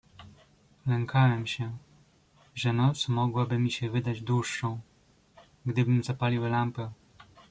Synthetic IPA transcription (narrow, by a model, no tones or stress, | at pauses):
lɛŋkʰawɛmɕɛ | ʐɛnɔt̪smɔɡwabɘmʲiɕɛvɘd̪ad͡ʑd̪wuʂːɔ̃w̃ | ɡd̪ɘbɘmzapalʲiwlampɛ